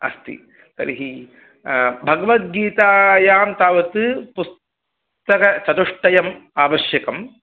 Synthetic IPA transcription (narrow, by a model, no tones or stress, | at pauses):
ɐ̰st̪ḭ | t̪ɐ̰ɾiɦi | bʱɐɡɐʋɐt̪̚ɡiːt̪aːjaːmt̪aːʋɐt̪ɨpus | t̪ɐkɐt͡ʃɐt̪uʂʈɐjɐmaːʋɐʃjɐkɐm